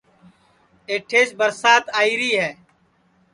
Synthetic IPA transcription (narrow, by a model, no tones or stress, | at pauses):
eːʈʰeːʃbəɾsaːt̪aːiːɾiːɦɛː